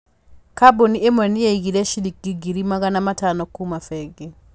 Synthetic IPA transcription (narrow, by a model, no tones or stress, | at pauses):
kaboniemwɛnijeiɡiɾɛʃilik̚ɡiɡiɾimaɡanamatanɔkumafɛɡe